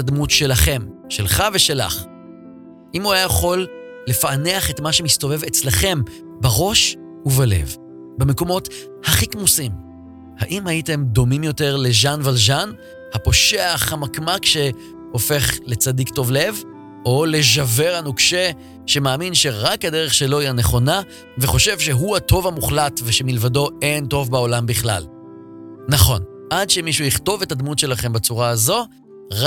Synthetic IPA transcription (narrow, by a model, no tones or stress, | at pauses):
admutʃe̞laχe̞mʃe̞lχave̞ʃe̞la̰χ | ʔimuajajaχo̞lː | e̞fane̞aχe̞tmaʃemisto̞ve̞vet͡sleχe̞m | baʁo̞ʃ | uvale̞̰v | bemeko̞mo̞t | haχikmusim | haʔimhaite̞md̪o̞mimjo̞te̞ʁleʒanvalʒan | hapo̞ʃeaaχamakmakʃe̞ | ofe̞χle̞t͡sadikto̞vle̞v | ole̞ʒave̞ʁanukʃe | ʃe̞maːminʃe̞ʁakadeʁeχʃe̞lo̞ijane̞χo̞na | ve̞χo̞ʃe̞vʃe̞ɦuato̞vhamuχlatveʃe̞milvado̞e̞nto̞vbaolambiχla̰l | naχo̞n | ʔadʃemiʃujiχto̞ve̞tad̪mutʃe̞laχe̞mbat͡suʁaːzo̞ | ʁ